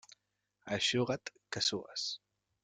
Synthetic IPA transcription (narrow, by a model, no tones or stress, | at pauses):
aʃoɣat̪kasoa̰s